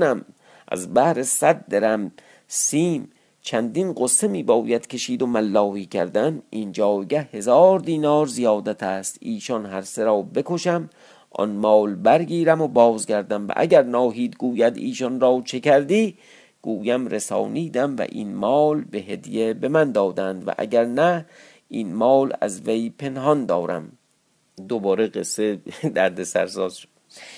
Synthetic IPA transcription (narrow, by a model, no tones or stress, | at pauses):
næm | ʔæ̰zbæhɾesæd̪ːeɾæm | siːm | t͡ʃʰænd̪inɢosːemiːbɒːjæd̪̥kʲʰe̞ʃiːd̪omælːɒːhiːkʰæ̰ɾd̪ænind͡ʒɒːjɡæhe̞zɒːɾd̪iːnɒːɾzijɒːd̪æt̪ʰæːst̪iːʃɒnɦæɾseɾɒːbe̞koʃæm | ʔɒ̰nmɒːlbæɾɡiːɾæmobɒːzɡæɾd̪æmvæ̰ʔæ̰ɟæɾnɒːɦiːd̪ɡuːjæd̪iːʃɔnɾɒːt͡ʃʰe̞kʰæɾd̪iː | ɡ̥uːjæmɾesɒ̰ːniːd̪æmvæ̰ʔḭnmɒːlbeɦed̪jebemænd̪ɒːd̪ænd̪væ̰ʔæ̰ɡæɾnæ | ʔinmɒːlæ̰zvejpʰe̞nhɒnd̪ɒːɾæ̰m | d̪obɒːɾeɡesːed̪æɾd̪esæ̰ɾsɒːzʃo̥d̪